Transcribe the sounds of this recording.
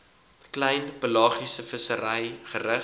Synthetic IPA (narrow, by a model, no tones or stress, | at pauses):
klɛjnpəlɑːχisəfəsəɾɛjχəɾə